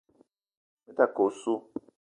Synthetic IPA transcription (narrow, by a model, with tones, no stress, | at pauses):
me˦t̪a˦˨ko˨su˦